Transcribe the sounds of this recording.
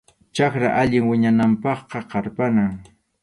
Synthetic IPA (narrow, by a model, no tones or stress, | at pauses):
t͡ʃakɾa̰ʔaʎɪŋwɪɲanampɑχqɑqɑɾpanaŋ